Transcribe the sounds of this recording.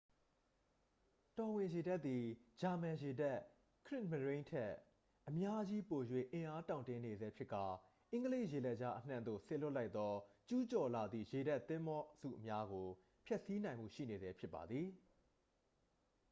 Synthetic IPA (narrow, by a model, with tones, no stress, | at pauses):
tɔ˨wɪ̃˨je˨da˦t̪ːi˨d͡ʑa˨mã˨je˨da˦˨ʔ | kʰɹɪ˦ʔmə˨ɹẽ˦ɪ̃ntʰɛ˦ | ʔəmja˦ʔd͡ʑi˦po˨jwḛ˦˨ʔɪ̃˨ʔa˦tã˨ʊ̃ntɪ̃˦ne˨zɛ˦pʰjɪ˦ʔkːa˨ | ʔɪ̃˦ŋɡəle˦ɪʔje˨lɛ˦ʔd͡ʑa˦ʔən̥ã̰˦˨nd̪o̰˦˨se˨lʊ˦ʔla˦ɪt̪ːɔ˦t͡ɕu˦t͡ɕɔ˨la˨d̪ðḭ˦˨je˨da˦t̪ːɪ̃˦mbɔ˦z̥ṵ˦˨ʔəmja˦ɡo˨ | pʰjɛ˦ʔsi˦nã˨ɪ̃mbṵ˦˨ʃḭ˦˨ne˨zɛ˦pʰjɪ˦pːa̰˨d̪ði˨